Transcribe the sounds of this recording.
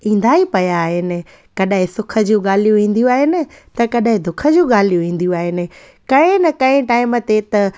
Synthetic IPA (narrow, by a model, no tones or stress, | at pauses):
ĩːn̆d̪ʱaipɐjaːɦɪnɪ̆ | kɐɗaɦɪ̃sʊkʰə̆d͡ʑũɠaːl̤ijũʋĩːn̆d̪ijũaːɦɪnɪ̆t̪ɐkɐɗaɦɪ̃d̪ʊkʰə̆d͡ʑũːɠaːl̤ijũʋĩːn̆d̪ijũaːɦɪnɪ̆ | kɐ̃ɪ̃nɐkɐ̃ɪ̃ʈaːɪmət̪et̪ɐ